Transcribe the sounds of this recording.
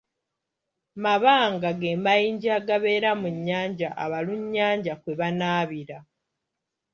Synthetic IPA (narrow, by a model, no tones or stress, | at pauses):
maβaːŋɡaɡeːmajiːɲɟaːɡaβe̞ːɾamuɲːaːɲɟaʔaβaluɲːaːɲɟakwe̞βanaːβiɾa